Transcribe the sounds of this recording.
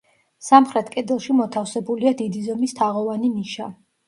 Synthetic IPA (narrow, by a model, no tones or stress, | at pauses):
samχɾɛt̪ʰkʼɛd̪ɛlˠʃimɔt̪ʰafsɛbuliad̪id̪izɔmist̪ʰaʁɔvaniniʃa